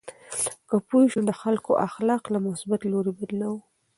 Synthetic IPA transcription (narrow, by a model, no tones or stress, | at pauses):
kəpoʃud̪əxalkoʔaxlɑqlamʊsbat̪loɾebad̪law